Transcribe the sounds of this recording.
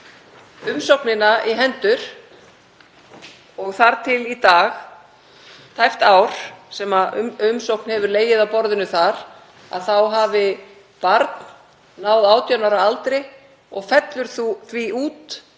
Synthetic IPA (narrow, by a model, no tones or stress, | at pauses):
ʏmsowknɪnaʔiɦɛnt̪ʏɾ̥ | ɔɣθaɾ̥t̪ʰɪlit̪aːx | t̪ʰajft̪aːwɾ̥sɛmaʏ̰ʏmsowknhɛvʏɾleːjɪðawpɔɾðɪnʏθaɾ | a̰ðθawɦaːvɪ | paɾt̪n | nːaːwðaːwt̪jœnaɾaalt̪ɾɪ | ɔɣfɛt̪lʏɾ̥θuθviʔuːt̪